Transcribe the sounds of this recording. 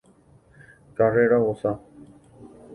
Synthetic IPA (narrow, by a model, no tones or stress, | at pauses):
kareɾaɦosa